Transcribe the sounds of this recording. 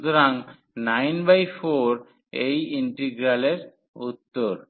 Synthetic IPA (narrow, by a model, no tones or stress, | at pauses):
d̪oɾaŋ | najnbajfoɾ | ejiɳʈeɡɾaleɾ | ut̪ːoɾ